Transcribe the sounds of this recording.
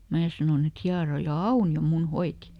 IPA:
mæː sɑnoˑn et hiɑrojɑ ɑunio mun hoiti

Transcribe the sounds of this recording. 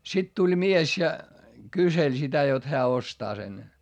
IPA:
sit tulʲ mies jɑ kyselʲ sitæ jot heæ ostɑː sen

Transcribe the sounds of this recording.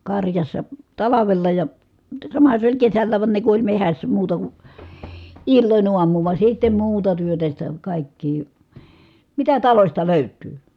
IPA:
kɑrjɑsːɑ tɑlɑʋelːɑ jɑ sɑmɑhɑ se olʲ kesælːæːʋ ʋɑn ne ku olʲ mehæsːæ muːtɑ ku ilːonʲ uɑmuː ʋɑ sitːem̆ muːtɑ tyøtæ sitæ kɑˑikːiː mitæ tɑlosʲtɑ løˑytˑyː

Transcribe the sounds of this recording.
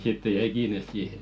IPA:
sitːe jɛi kiːnes siːhe

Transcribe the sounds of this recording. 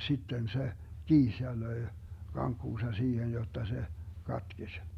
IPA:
sitːen se kiːs jɑ løi̯ kɑŋkːuːsɑ siːhen jotːɑ se kɑtkesʲ

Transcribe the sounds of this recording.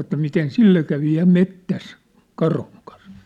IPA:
ĕtːæ miten silːe kæʋi jɑ metːæs kɑrhuŋ kɑn̞s

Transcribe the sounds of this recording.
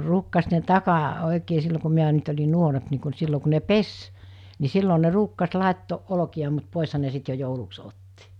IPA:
ruːkːɑs ne tɑkɑ oˑikeː silːo ku miæ nyt olʲi nuoremp ni ku n silːo ku ne pes ni silːo ne ruːkːɑs lɑˑetːoːʔ ʔolokiɑ mut poˑeshɑ ne sit jo jouluks otːi

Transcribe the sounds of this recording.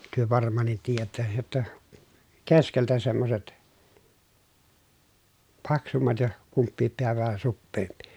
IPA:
tyø ʋɑrmˑɑːnˑit tiːjætːæ jotːɑ keskeltæ semːoset pɑksumːɑt jɑ kumpːiːp peæ ʋæhæ supːeːmpi̥

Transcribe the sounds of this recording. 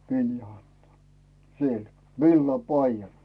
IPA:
ʋiljo ɑnto siel ʋilːɑpɑijɑn

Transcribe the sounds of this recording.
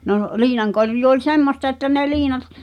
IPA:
noˑ liːnɑŋkorjuː olʲ semːostɑ etːæ ne liːnɑt

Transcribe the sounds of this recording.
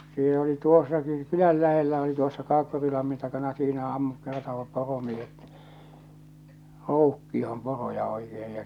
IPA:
silː oli tuosːɑki kylæl læhelːæ oli tuosːɑ kɑːkːurilɑmːin tɑkɑnɑ siːnæ ɑmːut kertoːʋɑp poromiehet roukːioh̞om porojɑ oikeː jɑ

